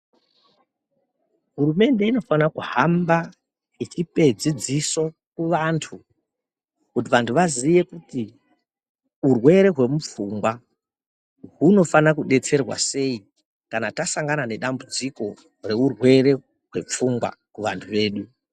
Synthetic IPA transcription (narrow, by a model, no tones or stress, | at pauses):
ɦurume̞nde̞ino̞fanakuhamba | it͡ʃipe̞d͡zid͡ziso | kuʋantʰu | kut̬iʋantʰuʋazije̞kuti | urwe̞ɾe̞ɦwe̞mup͡fuŋɡwa | ɦuno̞fanakuɗe̞t͡se̞rwa̰se̞i | kanatasaŋɡanane̞ɗambud͡ziko̞ | re̞urwe̞re̞ | ɦwe̞p͡fuŋɡwa̰kuʋantʰuʋe̞ːɗu